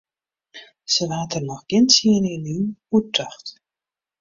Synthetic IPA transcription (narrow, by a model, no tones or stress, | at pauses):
səʋaːtərnɔxɡ̥ɪnsiəninyutəxt